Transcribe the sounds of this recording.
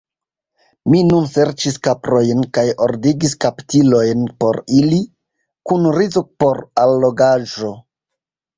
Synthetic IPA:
minunse̞ɾt͡ʃiskapɾo̞jnkajo̞ɾdiɡiskaptilo̞jnpo̞ɾili | kunɾizopo̞ɾalːo̞ɡaʒo̞

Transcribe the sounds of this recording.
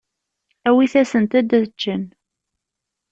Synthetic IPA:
æwiθæsənt̪æd̪æt͡ʃːən

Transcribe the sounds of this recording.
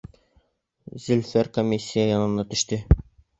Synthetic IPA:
zɵ̆lfæɾkomʲːisʲːijajɒnɤ̆nːɑt̪ɵ̆ʃt̪ɘ

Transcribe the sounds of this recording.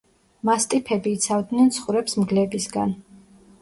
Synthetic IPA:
mast̪ʼipʰɛbiːt̪sʰavd̪nɛnt̪sʰχuɾɛpsmɡlɛbisɡan

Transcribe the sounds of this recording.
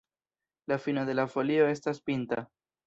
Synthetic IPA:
lafinod̪e̞lafo̞lio̞e̞staspinta

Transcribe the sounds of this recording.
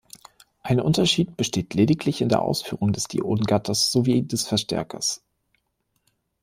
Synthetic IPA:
ʔaɪnʔʊ̰ntɐʃiːt̚b̥əʃteːtʰleːdɪklɪçɪndeːɐʔa̰ʊsfyːʁʊŋdɛsd̥ḭʔo̰ːdn̩ɡatʰɐsz̥oviːd̥ɛsfɛɐʃtɛ̰ɐkʰɐ̰s

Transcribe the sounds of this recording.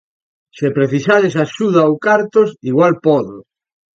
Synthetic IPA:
sepɾeθisaɾesaʃuðaowkaɾt̪osiɣwalpɔðo

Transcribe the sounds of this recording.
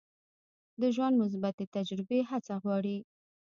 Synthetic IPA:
d̪əʒwand̪mʊs̬bat̪et̪ad͡ʒɾɪbeɦat͡saɣwɑɽi

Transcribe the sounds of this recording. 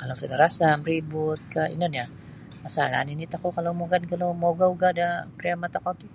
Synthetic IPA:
kalowsudaɾasaməɾibʊt̪̚kaḭnania | asala̰ninit̪akokalomoɡankalomoɡauɡaːdapɾiamat̪akat̪i

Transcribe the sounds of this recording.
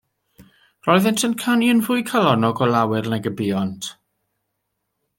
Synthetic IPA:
rɔɨðɛntʰənkʰaniənvʊɨkʰalˠɔnɔɡɔlawɪrnɛɡəbiːɔntʰ

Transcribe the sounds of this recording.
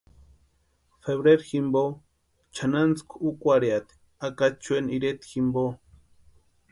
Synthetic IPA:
feβɾeɾximbo | t͡ʃʰanant͡skʷʰukʷʼwaɾjat̪i̥ | akat͡ʃweniɾet̪ximbo

